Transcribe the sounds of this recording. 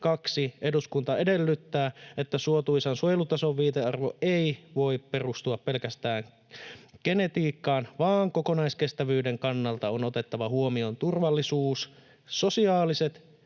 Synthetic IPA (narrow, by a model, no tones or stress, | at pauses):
kɑksiʔe̞duskunt̪ɑe̞de̞lːyt̪ːæːʔet̪ːæsuot̪uisɑnsojlut̪ɑsoʋʋiːt̪eɑrʋoeiʋo̞ippe̞rust̪uɑppelkæst̪æːŋ | ɡ̥e̞ne̞t̪iːkːɑːnʋɑːŋko̞ko̞nɑiskest̪æʋyːdeŋkɑnːɑlt̪ɑonot̪e̞t̪ːɑʋɑhuomio̞nt̪urʋɑlːisuːsː | o̞siɑːliset̪